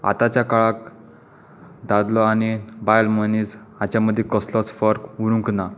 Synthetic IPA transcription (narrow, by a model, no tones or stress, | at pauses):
a̰t̪at͡ɕjakaɭak | d̪ad̪lɔañibajlmənis | at͡ɕjaməd̪ʱːjekɔslɔsfəɾkuɾũŋkna